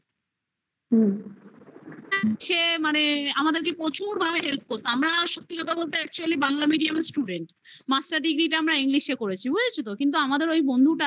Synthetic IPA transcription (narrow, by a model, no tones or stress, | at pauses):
ɦɛʃemaneamad̪eɾkepɾot͡ɕuɾbʱabeɦelp̚koɾt̪aamɾaʃot̪ːikɔt̪ʰabolt̪̬eɛk̚t͡ɕualibaŋlamiɖiamesʈuɖeɳʈ | masʈaɾɖiɡɾiʈaamɾaiŋliʃekoɾet͡ɕʰibujet͡ɕʰut̪̬okint̪̬uamad̪eɾojbond̪ʱuʈa